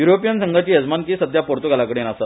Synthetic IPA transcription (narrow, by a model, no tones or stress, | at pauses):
juɾopijənsəŋɡʱat͡ɕiːɦəd͡zmankiːsəd̪ʱjapoɾt̪uɡʱalakəɽenasa